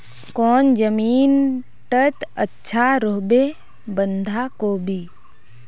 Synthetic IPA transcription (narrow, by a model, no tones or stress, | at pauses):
kɔːnd͡ʒəmiːn | ʈət̪ətːʃʰaɾoːbe | bə̃nd̪ʱakoːbʱi